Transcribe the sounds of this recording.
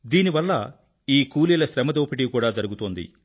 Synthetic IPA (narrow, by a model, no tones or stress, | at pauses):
d̪iːniʋɐlːɐ | iːkuːliːlɐʃɾɛmɐd̪oːpiʈikuːɽaːd͡ʒɐɾuɡut̪oːnd̪ḭ